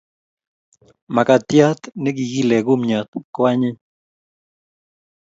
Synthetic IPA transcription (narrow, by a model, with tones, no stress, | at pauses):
ma˨ka˨t̪ja˦t̪ne˦ɡi˨ɡi˦lɛ˨ɡʊ˦mɲa˨t̪kwa˦ɲɪ˦